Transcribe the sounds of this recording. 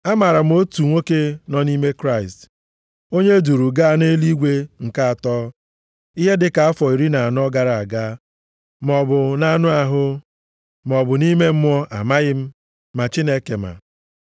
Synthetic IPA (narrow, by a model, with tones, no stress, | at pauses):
a˦ma˨ɾa˨m̩˦o˦tu˨ŋʷo˦ke˦nɔ˦ni˦me˦kɾa˦ɪ˨st | o˦ɲe˦du˨ɾu˨ɡa˦a˦˨ne˦li˦ɡʷe˦ŋ̩˨ka˦a˨tɔː˦ | i˦ɦe˦dɪ˨ka˨a˦fɔ˨i˨ɾi˦na˨a˨nʊ˦ɔ˦ɡa˨ɾa˨a˨ɡa˦ | m̩˨ɔ˨bʊ˨na˨nʊ˦a˨ɦʊ˦ | m˨ɔ˨bʊ˨ni˦me˦m̩˦mɔ˦ʔa˨ma˦ɣɪ˦m̩˦ | ma˨t͡ʃi˦ne˦ke˨ma̰˨